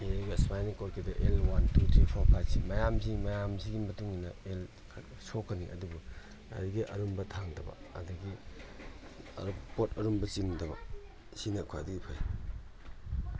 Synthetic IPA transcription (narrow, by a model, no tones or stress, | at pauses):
miɡispajnikoɾkʰidɐʔelwantut̪ʰɾipʰawkʰasimɐjamzimɐjamziɡimɐtuŋinɐel | kʰ | sokːɐniʔɐ̰dubu | ɐ̰ɾiɡiʔɐ̰ɾumbɐtʰaŋdɐbɐ̰ɐ̰dɐɡi | ɐ̰ɾpotɐɾumbɐt͡ʃiŋdɐbɐ | sinɐkʰwa̰diɡipʰa̰j